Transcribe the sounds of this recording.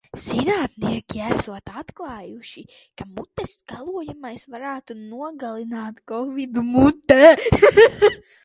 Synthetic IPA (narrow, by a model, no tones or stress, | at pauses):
z̥inaːt̪niɛkʲiæsuɔt̪at̪klˠaːjuʃi | kamut̪ːɛsɡalˠuɔjamajsvaɾaːt̪unuɔɡalˠinaːt̪kɔvid̪umut̪ːɛ